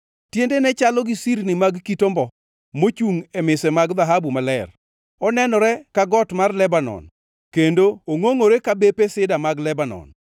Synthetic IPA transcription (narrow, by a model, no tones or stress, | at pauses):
tjendenɛt͡ʃalɔɡisiɾnɪmaɡkitombɔ | mot͡ʃuŋɛmɪsɛmaɡðaɦabumalɛr | ɔnɛnɔɾɛkaɡɔtmarlɛbanɔ̰n | kendooŋoŋoɾekabepesɪdamaɡlɛbanɔ̰n